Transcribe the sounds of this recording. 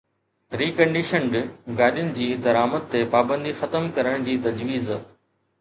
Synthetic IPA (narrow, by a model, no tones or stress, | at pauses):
ɾiːkɐ̃ɳɖɪʃəɳɖɡaːɗijʊnɪ̆d͡ʑiːd̪ɐɾaːməd̪̚t̪epaːbə̃nd̪ixɐt̪əmkɐɾəɽ̃d͡ʑiːt̪ɐd͡ʑʋiːz